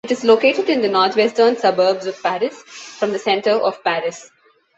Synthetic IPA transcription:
ɪʈɪzloːkeːʈɪɖɪ̃nd̪ənɔːɾt̪ʰwɛsʈənsʌbəːbzɔʋ̥pæɾɪsfɾɔ̃md̪əsɛ̃ɳʈəɾɔʋ̥pæɾɪs

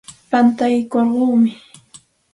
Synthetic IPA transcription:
pant̪ajkoɾɢoːmɪ

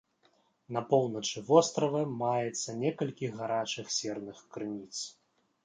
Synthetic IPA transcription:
nɐpɔwnɐt͡ʂɨvɔst̪ɾɐvɐmajɛt̪sːɐnʲɛkɐlʲkʲiɣaɾat͡ʂɨxsʲɛrnɨxkɾɨnʲit̪s

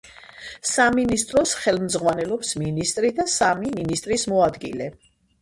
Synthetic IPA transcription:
saminist̪ʼɾɔsχɛlmzʁwanɛlɔpsminist̪ʼɾid̪asamiminist̪ʼɾismɔad̪ɡḭlɛ

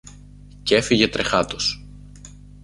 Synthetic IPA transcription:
ce̞fiʝe̞t̪ɾe̞xɐt̪os

